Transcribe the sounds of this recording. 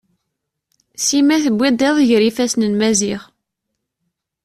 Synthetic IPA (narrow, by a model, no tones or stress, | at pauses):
simæθəbʷːæd̪eðˤʝɾifæsnənmæziʁ